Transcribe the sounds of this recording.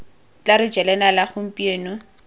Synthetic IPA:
t͡ɬʼaɾʊd͡ʒɛlɛnalaχʊm̩pʼieːnʊ

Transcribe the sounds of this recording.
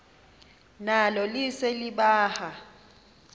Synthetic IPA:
nalɔliseliɓaːha

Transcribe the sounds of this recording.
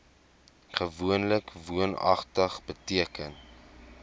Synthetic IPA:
χəvuənləkvuənɐ̰χtəχbətiəkən

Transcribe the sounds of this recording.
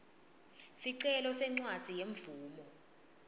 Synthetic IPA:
siǀɛlɔsɛŋ͡ǀwad̥ʱijeɱvuːmɔ

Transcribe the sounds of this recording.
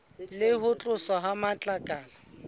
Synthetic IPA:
lɪhʊt͡ɬʼʊsɔɦamat͡ɬʼakʼaːla

